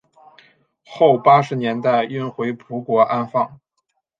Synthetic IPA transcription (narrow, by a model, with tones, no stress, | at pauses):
xo˥˩ʊpa˥ʂɻ̩˧˥njɛ˧˥nt̪a˥˩ɪy˥nxwe˧˥ɪpʰu˧˥kwɔ˧˥ʔa˥nfɑ˥˩ŋ